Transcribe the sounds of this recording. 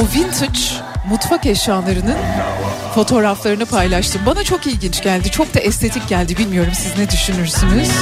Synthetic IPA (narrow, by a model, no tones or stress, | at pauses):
uvint̪ʰut͡ʃ | mut̪fakɛʃaːlˠaɾɯnɯnfo̞t̪ʰo̞ɾaflˠaɾɯnɯpʰajlˠaʃt̪ʰɯmbanat͡ʃʰo̞kilʲɟint͡ʃɟælʲd̪it͡ʃʰo̞k̚d̪aʔɛst̪ʰe̞t̪ʰic̚ɟælʲd̪ibilʲmijo̞ɾumsiznɛd̪yʃynyɾsyniz̥